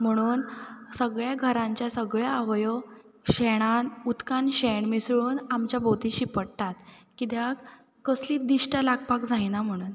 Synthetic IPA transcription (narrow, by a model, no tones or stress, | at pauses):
m̤əɽ̃uːnsəɡɭjaɡʱəɾãɲt͡ɕjasəɡɭjaaʋjɔ | ɕeɽ̃anut̪kanɕeɳmisɭuːnamt͡ɕjabʱot̪iɕipəɽt̪at̪kit̪jak | kəsliːd̪iʂʈəlaɡpakd͡zajnam̤əɽ̃uːn